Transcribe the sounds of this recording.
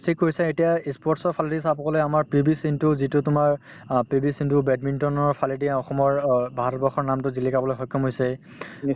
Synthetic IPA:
stʰikːoɹisɛetijaispɔɹtsɔɹpʰaldisapɔkɔlojamaɹpɹibisintʊzitʊtʊmaɹ | pɹibisintʊbɛdmintɔnɔɹpʰalidiaɔxɔmɔɹbʱaɦaɾbɔxɔɹnamtʊzilikabɔlojxɔjkʰːɔmɦojsɛ

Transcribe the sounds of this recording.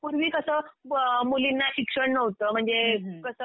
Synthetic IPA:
puɾʋiːkəsəːmulinːaɕikʂəɳnəʋt̪əːm̤əɳd͡zekəsəː

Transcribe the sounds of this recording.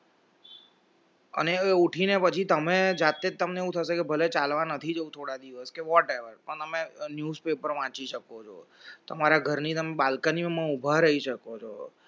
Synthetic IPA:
ə̰neuʈʰinepət͡ʃʰit̪əmed͡ʒat̪ːed͡ʒt̪əmneeũt̪ʰəʃekebʱəlet͡ʃalʋãnət̪ʰid͡ʒəũt̪ʰoɽad̪iʋəskeʋɔʈeʋəɾpəɳt̪əmenjuzpepəɾʋãt͡ʃiʃəkot͡ʃʰo̰t̪əmaɾaɡʱəɾnit̪əmeɓalkanimãmãubʱaɾəɦiʃəkot͡ʃʰo̰

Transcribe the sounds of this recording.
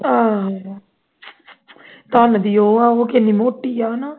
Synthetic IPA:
a | t̪aːnɐd̪ijoːaoːkenimoʈːijana

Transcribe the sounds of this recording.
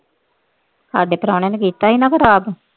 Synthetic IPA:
saːɖeːpəɾaːɽ̃eːnekiːt̪aːɦiːnãːkəɾaːb

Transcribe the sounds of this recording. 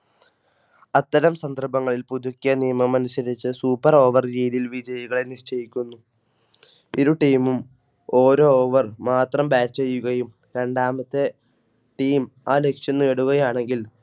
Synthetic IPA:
ɐt̪ːɐɾɐmsɐnd̪ɐrbɐŋːɐɭilpuðukʲːjɐnijɐmɐmɐnusɐɾit͡ɕːɨsuːpːɐro̞ːʋɐrɾiːðilʋid͡ʑɐjɐɣɐɭeniʂʈɐjikʲːunːu | iɾuʈiːmum | o̞ːɾo̞ːoːʋɐrmaːt̪rɐmbaːt͡ɕːejːuɣɐjum | ɾe̞ɳɖaːmɐt̪ːe̞ | ʈiːm | aːle̞kʂjɐnːeːɽuɣɐjaːɳe̞ŋɡil

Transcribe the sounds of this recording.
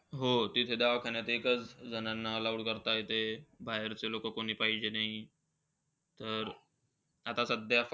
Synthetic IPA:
ɦot̪it̪ʰed̪aʋkʰaɳjat̪eːkət͡sd͡zənanːalauɽkəɾt̪ajet̪ebʱaɦeɾt͡selokəkoɽ̤̃iːpaɦid͡ʑenaɦi | t̪əɾ | at̪asəd̪jaf

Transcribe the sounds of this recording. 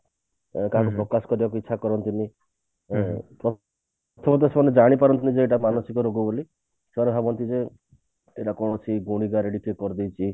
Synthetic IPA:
kaɦãkupɾɔkaskɔɾibakuitːʃʰakɔɾɔnt̪ini | pɾɔ | ɔt̪ʰɔmɔt̪esemɔned͡ʒaɽ̃ipaɾɔnt̪inid͡ʒeeʈ̬amanɔsikɔɾoɡuboli | sebanebʱabɔnt̪ʰid͡ʒe | eʈakɔɽ̃ɔt͡ʃʰiɡuɽ̃iɡaɾeɽipʰekɔɾd̪iwt͡ʃʰi

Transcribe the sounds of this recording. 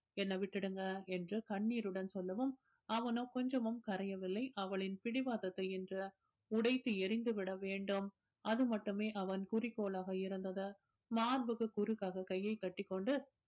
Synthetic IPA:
ɛnːɐʋɪʈːɪɽɯŋɡɐɛndrɯkɐɳːiːɾɯɽɐnsɔlːɐʋɯm | ɐʋɐnoːkɔɲd͡ʒɐmɐmkɐɾɐjɐʋɪlːɐɪʔɐʋɐɭɪnpɪɽɪʋaːðɐt̪ːɐɪɛndrɯ | ʊɽɐɪt̪ːɯɛɾɪnd̪ɯʋɪɽɐʋeːɳɖɯm | ɐðɯmɐʈːɯmeːʔɐʋɐnkʊrɪkːoːɭaːɣɐɪɾɯnd̪ɐðɐ | maːɾbɯɣɯkʊɾɯkːaːɣɐkɐjːɐɪkːɐʈːɪkːɔɳɖɯ

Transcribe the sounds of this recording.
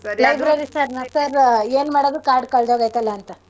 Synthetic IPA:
lɐjbɾeɾisɐɾnɐsɐɾeːnmaːɽod̪ɾukaːɾɖkɐɭd̪oɡajt̪ɐlːɐːnt̪ɐ

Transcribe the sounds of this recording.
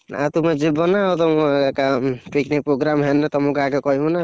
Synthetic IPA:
at̪umɛd͡ʒibɔnaːt̪ɔmuɛkapiknik̚pɾoɡɾamɦɛnɾɛt̪ɔmukakɔkɔɦimɔna

